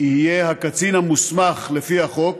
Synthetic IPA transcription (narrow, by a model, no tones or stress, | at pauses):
ihijehakat͡sinhamusmaχlefihaχo̞k̚